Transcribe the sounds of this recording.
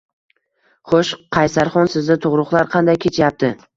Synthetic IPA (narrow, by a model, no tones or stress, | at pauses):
χoʃqʰɑjsaɾχɒnsɪzd̪at̪ʰʊʁɾʊχlˠaɾqʰɑnd̪ajkʲʰe̞t͡ʃʰjap̚t̪ʰɪ